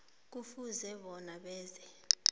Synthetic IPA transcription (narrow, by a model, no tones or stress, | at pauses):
k̬ufuzɛɓɔnaɓɛːzɛ